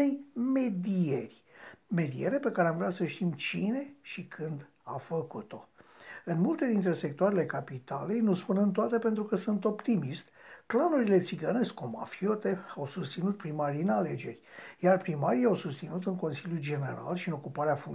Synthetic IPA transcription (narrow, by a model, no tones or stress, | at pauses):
ejme̞d̪ierʲme̞d̪ie̞ɾe̞pe̞kaɾeamvɾeasəʃt̪imt͡ʃine̞ʃikʰɨnd̪ | afəkut̪o̞ɨnmult̪e̞d̪int̪ɾe̞se̞k̚t̪oaɾele̞kapit̪ale̞jnuspunɨnt̪oat̪e̞pe̞nt̪ɾukəsunt̪o̞pt̪imist̪ʲklanuɾile̞t̪siɡəneskoma̰fio̞t̪e̞awsust̪sinut̪̚pɾimaɾiɨnale̞d͡ʒe̞̰rʲjarpɾimaɾijawsust̪sinut̪ɨŋko̞nsiljuld͡ʒe̞ne̞̰ɾa̰lʃiɨno̞kupaɾeafuŋ